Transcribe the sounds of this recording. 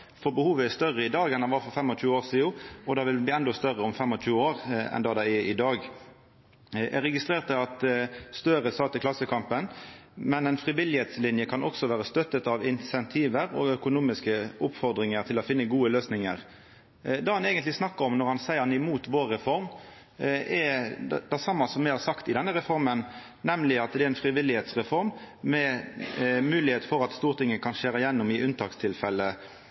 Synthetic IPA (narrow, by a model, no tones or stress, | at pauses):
fɔbəhuːʋəæst̪œʁəɪd̪ɑːɡɛnd̪ɑnʋɑːfɔɾfɛmːɔt͡ʃʉːəoːɾsiːʊɔd̪ɑːʋɪlbɪːɛnd̪ɔst̪œʁəɔmfɛmːɔt͡ʃʉːəoːɾɛ̰nd̪ɑːd̪æɪɛɪd̪ɑːɡ | ʔæɾɛɡɪst̪ʁeːʁt̪əɑt̪st̪œɾəsɑt̪əklɑsːəkʰɑmpənmɛnɛɪnfʁɪʋɪlɪheːt̪slɪnjəkʰɑnʔɔksɔʋæːʁəst̪œt̪ːət̪ɑʋɪnsɛnt̪ʰiːʋəɾɔ̰œkʊnuːmɪskəʊpfɔɾd̪ɾɪŋəɾt̪ʰɪlɔfɪnːəɡuːəløːsnɪŋəʁ | d̪ɑːhɑneːɡənt̪lɪsnɑkːəɾɔmnɔɾhɑnsæɪəʁɑnɪmuːt̪ʋoːɾːɛfɔɾm | ɛd̪æsɑmːɑsɔmːæɪhɑɾsɑkt̪ɪd̪ɛnːəɾɛfɔɾmən | nɛmlɪɑt̪̚d̪ɛæɛnfɾɪʋɪlɪheːt̪sʁɛfɔɾmmɛ | mʉːlɪheːt̪fɔɾɑt̪st̪uːʁt̪ʰɪŋːəkʰɑnʃeːɾəjɛnːʊmɪʔʉnt̪ʰɑːkst̪ʰɪlfɛlːə